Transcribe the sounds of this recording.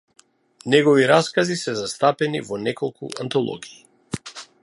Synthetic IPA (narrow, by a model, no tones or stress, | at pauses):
nɛɡɔviɾaskazisɛzast̪apɛnḭvɔnɛkɔlˠkṵant̪ɔlˠɔ̰ɡiː